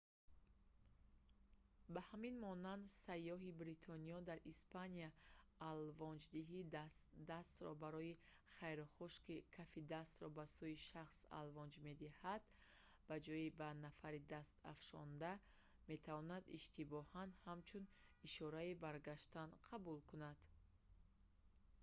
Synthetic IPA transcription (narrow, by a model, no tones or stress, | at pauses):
bahaminmɔnand̪sajːɔɦibɾit̪ʰɔniɔd̪aɾispʰaniaːlvɔnd͡ʒd̪iɦid̪d̪ast̪ɾɔ̰baɾɔji | χajɾχuʃkikʰafid̪ast̪ɾɔbasuiʃaχsa̰lvɔnd͡ʒme̞d̪ihad̪ | b̥ad͡ʒɔjibanafaɾid̪ast̪a̰fʃɔ̰nd̪a | me̞t̪ʰavɔnad̪iʃt̪ibɔhand̪hamt͡ʃʰuniʃɔɾaibaɾɡaʃt̪anqʰabulkunad̪̥